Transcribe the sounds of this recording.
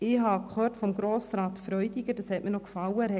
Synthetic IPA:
ɪɦɑːkχøːrtfɔmɡɾoːsɾɑːt̪fɾœʏdiɡədɑshɛtmɪnɔkfɑwəhɛ

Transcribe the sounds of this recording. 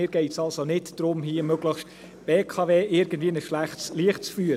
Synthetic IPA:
ɪːɾɡ̥ɛɪtsɑlsonɪtd̥ɾʊmɦiːəmøɡləχʃt | b̥eːkʰɑveːʔɪɾɡ̥ən̩d̥viːənəʃlæχtsliəχtt͡sfyəɾ

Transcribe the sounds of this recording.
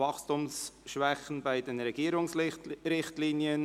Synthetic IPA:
ɑχstʊmsʃʋɛχən̩baɪdɛnɾɛɡ̥iəɾʊŋsɾɪχtliːniən

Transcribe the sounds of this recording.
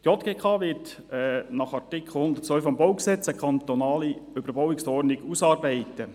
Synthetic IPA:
tjɔt̪ɡ̥eːkʰɑːʋɪt | ɛnɑχɑrtɪkʰχl̩hʊnd̪ətt͡sʋœlfɑmbɔwksɛt͡səkʰɑnt̪ɔnɑːliʏb̥əɾbɔwɪksɔɾnɪɡusɑːrbɛɪtə

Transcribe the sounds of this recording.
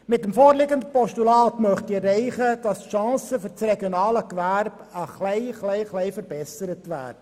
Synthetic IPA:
mɪt̚ːəmfoːɾlɪɡəndəpɔʃtulɑːtmœχtirːɛɪχəd̥ɑsʃɑ̃ːsəfʏɾt͡sreɡjonɑːləkʋæɾbəχlɛɪχlɛɪχlɛɪfəɾbɛsəɾətʋæ̰ːdə

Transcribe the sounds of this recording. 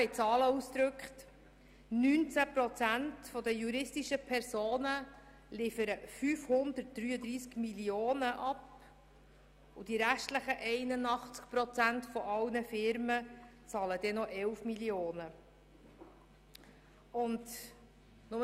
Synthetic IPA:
ɛɪt͡sɑːləusd̪ɾɵkχt | nyːnt͡sæpɾɔt͡sæntfɔd̪əjuɾɪstiʃəpʰɛɾsoːnə | lɪfəɾəfyːfhʊnd̪əɾt̚d̥ɾyːəd̪ɾiːskmilioːnəʔɑp | ud̥iɾæʃtləχəʔɛɪnənɑχt͡skpɾɔt͡sæntfɔʔɑwnəfɪɾmət͡sɑːləd̪ɛnɔʔɛwfmilioːnə | ʊnd | nʊm

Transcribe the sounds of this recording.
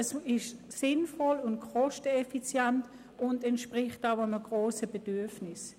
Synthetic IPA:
ɛsɪʃ | sɪnfɔlʊnt̚kʰɔʃtəɛfit͡sjɛnt | ʊndɛntʃpʁɪχtaʊəməɡ̥ʁoːsəb̥ed̥yɐfnɪs

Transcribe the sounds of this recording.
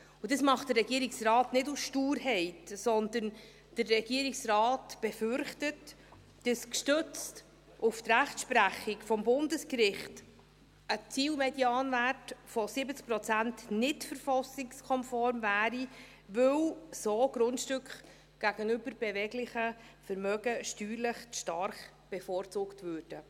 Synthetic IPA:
ud̥əsmɑχtd̥ərːɛɡ̥iəɾɪksrɑːtnɪdusʃtuːɾhɛɪtsɔndən | d̥ərːɛɡ̥iːəɾiksrɑːtb̥ɛfʏɾχtət | d̥əskʃtøt͡st | ʊft̪ræχtʃpɾæχɪkfɔmbʊndəskɾɪχt | ət͡siːlmɛdjɑːnværtfɔsɪbət͡sk̚pɾɔt͡sæntnɪtfəɾfɑsɪkskʰɔnfɔɾmvæːɾi | vɵwsoːɡ̥ɾʊntʃtʏkχ | ɡ̥æɡ̥ənʏbəɾb̥ɛvɛɡlɪχəfəɾmœɡ̥əʃtyːɾləχʃtɑrχ | b̥ɛfɔːɾt͡suːktvøːrd̥ə

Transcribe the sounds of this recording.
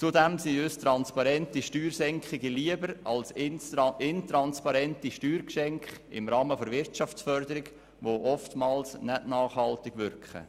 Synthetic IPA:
t͡sudɛmsiøstɾɑnspɑɾɛntiʃtyːɾsɛŋkχɪɡəliəbəɾɑls | ɪntɾɑnspɑɾɛntiʃtyːɾkʃɛŋkχ | ɪ̰mɾɑːməfoɾvɪɾtt͡ʃɑft͡sfœɾd̪əɾɪɡ | ʋoʔɔftmɑːlsnɛdnɑːχhɑltɪɡʋʏɾkχə̰

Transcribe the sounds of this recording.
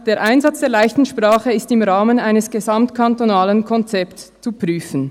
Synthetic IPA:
d̥eːɐʔaɪnzat͡sd̥eːɐlaɪçtn̩ʃpʁ̥aːχəɪstɪmʁaːmənaɪnəsɡ̥ezamtkʰantonaːlənkʰɔnt͡sɛpst͡supʁ̥yːfən̩

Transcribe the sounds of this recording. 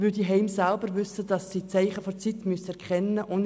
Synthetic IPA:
ɪldiɦɛɪmsælbəɾʋʏsəd̥ɑsːiːt͡sæɪχəfɔt͡sit̪myəstɛɾkχɛnːəʔʔʊn

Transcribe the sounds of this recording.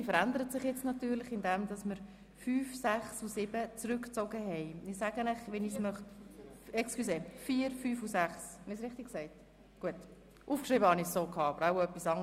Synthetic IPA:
ifəɾænd̪əɾətsɪχjɛt͡snɑtyːɾlɪχɪndɛmdɑsməɾ | fyːfsæχsusɪbət͡sɾʏkt͡soɡəɦɛɪɪsæːɡənæχʋɛnismœχtɛksklyseːfiːɾfyːfusæχshɛnɪs̬ɾɪχtɪksɛɪt | ɡ̥uət | ʔuːfkʃriːbəhɑnɪsːoːkʰɑːɑbəɾaʊœpːisɑŋ

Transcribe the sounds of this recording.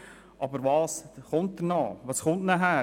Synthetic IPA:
ʔɑbəɾʋɑːsχʊnt̚d̪ənɑːʋɑːsχʊntnæɦæː

